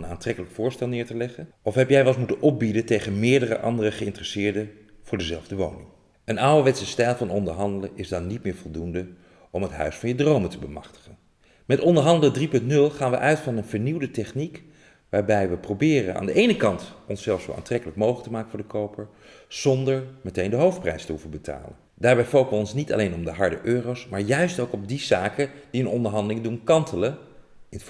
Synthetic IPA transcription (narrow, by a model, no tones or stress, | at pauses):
ənaːntrɛkələkfʊːɹstɛlˠnɪːɹtəlɛχən | ɔfɦɛpjɛjʋɛlˠsmutənɔp̚bidətejχənmɪːɹdərə̰ʔɑ̰ndərəχəɪntrɛsɪːɹdə | v̥ʊːɹdəzɛlˠvdəʋownɪŋ | ənawəʋɛtsəstɛjlˠvɑnɔndəɹɦɑndələʔɪzdɑnːit̚mɪːɹvɔlˠdundə | ɔmɦətɦœ̰ɥsfɑnjədrowməntəbəmɑ̰χtə̥χən | mɛtɔndəɹɦɑndələdripɵntnɵlˠχaːnʋəʔœɥtfɑnənvəɹniwdətɛχnik | ʋaːɹbɛjʋəprowbɪːrə̰na̰ːndəʔejnəkɑntɔnsɛlˠfso̰wʔa̰ːntrɛkələkmowχləktəmaːkəvʊːɹdəkowpəɹ | z̥ɔndəɹmɛtejndəɦowftprɛjstəɦuvənbəta̰ːlə̰n | d̥aːɹbɛjfowχəʋəɔnsnitɑ̰lejnɔmdəɦɑɹdəʔøːrowsmaːɹjœɥstowkɔb̚dizaːkəd̥iənɔndəɹɦɑndəlɪŋdunkɑntələ | ɪn